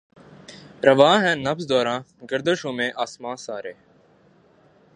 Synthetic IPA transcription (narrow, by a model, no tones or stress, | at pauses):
ɾəʋãːɦɛ̃ːnəfsd̪oːɾãːɡəɾd̪əʃõːmẽːʔaːsmãːsaːɾeː